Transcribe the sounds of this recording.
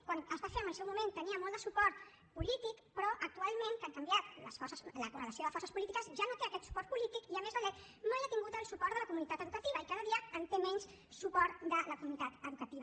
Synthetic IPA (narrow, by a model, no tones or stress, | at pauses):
kwanəzβafenənəlˠsɛwmument̪əniəmɔlˠd̪əsupɔɾt̪ | pulit̪ikpɾɔʔək̚t̪ualˠmẽŋkaŋkəmbjat̪ləsfɔrsəsləkurələsioðəfɔrsəspulit̪ikəzʒanot̪eəkɛt̪su̥pɔrt̪̚pulit̪ikiəmezəʎɛt̪ | nojat̪iŋɡut̪əlˠsupɔɾt̪ələkumunit̪at̪əðukət̪iβ̞əikaðəðiəənt̪emɛɲs | supɔɾt̪d̪ələkumunit̪at̪əðukət̪iβə